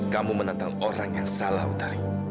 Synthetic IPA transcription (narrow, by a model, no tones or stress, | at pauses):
kamumənant̪aŋoɾaŋjaŋsala̰ɦṵt̪aɾi